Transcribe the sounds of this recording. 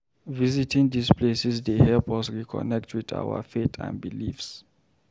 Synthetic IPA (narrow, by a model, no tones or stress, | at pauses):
vizitʰĩŋdispʰlesisdehɛpɔsɹikʰɔ̰nɛk̚tʰwiθa̰wa̰fetʰã̰nbilifs